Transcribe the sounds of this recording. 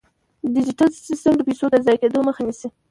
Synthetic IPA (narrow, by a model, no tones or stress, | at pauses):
d̪ɪd͡ʒiʈalsɪstəmd̪əpejsod̪əzɑjked̪oməxanisi